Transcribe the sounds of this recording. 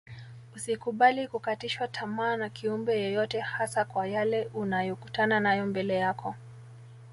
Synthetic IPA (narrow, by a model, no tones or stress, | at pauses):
usikuɓalikukatiʃwatʰamaːnakiumbɛjɔjɔtɛhasakwajalɛʔunajɔkutananajɔmbɛlɛjakʰɔ